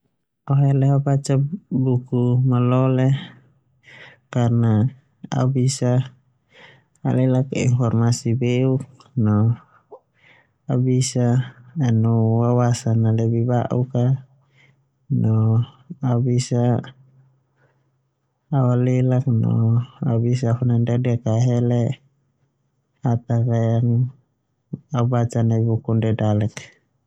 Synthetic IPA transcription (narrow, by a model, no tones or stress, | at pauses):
ɔɦɛlɛɦabat͡ʃabukumalɔlɛ | karna | a̰ubisa | a̰lɛlakḭnfɔrmasibɛuk̚nɔ | aubisaːnuwawasanalɛbibaʔuka | nɔː | bisa | walɛlaknɔ̰a̰bisafunandadɛakaɦɛlɛ | at̪akajaŋ | aubat͡ʃanabukundɛdalɛk